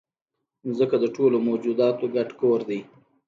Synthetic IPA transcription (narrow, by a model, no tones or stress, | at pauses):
zəkad̪əʈolomod͡ʒud̪ɑt̪oɡaʈkoɾd̪əj